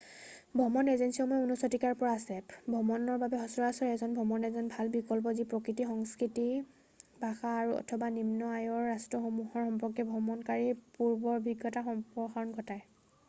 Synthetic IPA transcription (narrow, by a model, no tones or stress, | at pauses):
bʱɔmɔnezensiɔmɔjunɔsɔtikaɹpɔɹaːsɛbʱɔmɔnɔɹbabɛɦɔsɔɹasɔɹɛzɔnbʱɔmɔnɛzɔnbʱalbikɔlp̬ɔzipɹɔkɹitixɔŋskɹiti | bʱaxaːɹuɔ̰tʰɔbanimnɔajɔɹːastɹɔxɔmuhɔɹxɔmpɔkːɛbʱɔmɔnkaɹipuɹbɔɹbʱiɡɔtaxɔmpɔxaɹɔnɡʱɔtaj